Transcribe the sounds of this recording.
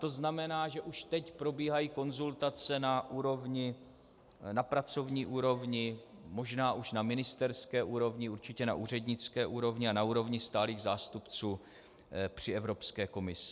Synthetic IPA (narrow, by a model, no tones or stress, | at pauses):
t̪o̞znamɛnaːʒɛʔuʃt̪ɛcpɾo̞biːɦajiːko̞nzult̪at͡sɛnaʔuːɾo̞vɲɪ | napɾat͡so̞vɲiːʔuːɾo̞vɲɪ | mo̞ʒnaːʔuʃnamɪnɪst̪ɛɾskɛːʔuːɾo̞vɲɪuɾt͡ʃɪcɛna̰ʔuːr̝ɛdɲɪt͡skɛːʔuːɾo̞vɲɪanauːɾo̞vɲɪst̪aːliːɣzaːst̪upt͡suː | pr̝̥ɪɛvɾo̞pskɛːko̞mɪsɪ̥